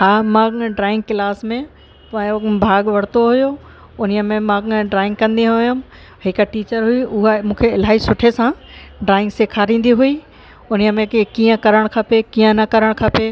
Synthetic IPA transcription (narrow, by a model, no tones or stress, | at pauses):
ɦaːmãɖɾaːɪ̃ŋɡ̚klaːsmẽ | pbʱaːɡʋɐɽ̤t̪oɦʊjo | ʊnijəmẽmãɖɾaːɪ̃ŋɡkɐ̃nd̪iɦʊjʊm | ɦɪkʈiːt͡ɕəɾɦʊiʊɦamũːkʰeɪl̤aːɦisʊʈʰesã | ɖɾaːɪ̃ŋɡseːkʰaːɾĩːn̆d̪iɦui | ʊnijəmẽkiːə̃kɐɾəɽ̃kʰɐpekiːə̃nɐkɐɾəɽ̃kʰape